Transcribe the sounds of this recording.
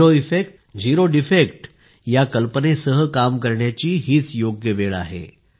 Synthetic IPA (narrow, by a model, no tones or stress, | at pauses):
ɾoifek̚ʈ | d͡ʑiɾoɖifekʈ | jakəlpənesəɦəkamkəɾɳjat͡ɕiːɦiːt͡sjoɡjəʋeɭa̰ɦḛ